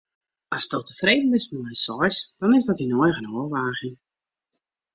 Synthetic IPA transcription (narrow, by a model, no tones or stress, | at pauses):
ɔsdowtəfreːdn̩ʋɪsmɔɛjsɔjsd̥ɔnɪzdɔtinojɣənoəʋaːɣɪŋ